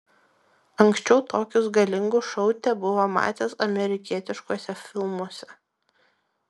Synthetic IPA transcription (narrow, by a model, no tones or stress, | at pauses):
ɐŋksʲt͡ʃʲɛʊt̪oːkʲʊsɡɐlʲɪŋɡʊʃɔʊt̪ʲɛbʊʋoːmɑ̰ːt̪ʲeːsɐmʲɛɾʲɪkʲiɛt̪ʲɪʃkuɔsʲɛfʲɪlˠmuɔsʲɛ